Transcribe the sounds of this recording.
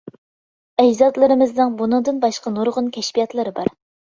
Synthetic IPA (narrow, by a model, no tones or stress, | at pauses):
ɛd͡ʒzɑd̪lˠɨɾɨmɨznɨŋbunɨŋd̪ɨnbɑʃqɑnuɾʁʊnkʲʰɛʃpijɑt̪lˠɨɾɨbɑɾ